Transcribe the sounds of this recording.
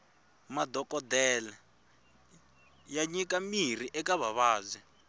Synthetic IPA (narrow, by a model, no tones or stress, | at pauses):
madɔkɔdɛlɛ | jaɲikamir̤iʔɛkaβaβaːzɛ